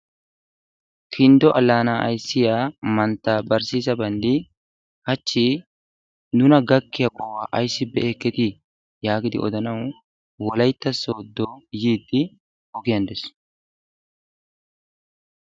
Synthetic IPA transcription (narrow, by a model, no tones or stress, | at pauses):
kʰɪnd̪ɔʔɐlːaːnaːʔɐ̰jsːɪjaːmɐnt̪ːaːbɐɾsiːzɐbɐnd̪ɪ | hɐt͡ʃːɪ | nʊnɐɡɐkːɪjɐkʼɔwaːʔɐjsːɪbɛɛkːɛt̪ɪ | jaːɡɪd̪ɪ̰ʔɔ̰d̪ɐnɐw | wɔlɐjt̪ːɐsoːd̪ːojiːd̪ːɪ | ɔɡɪjɐnd̪ɛs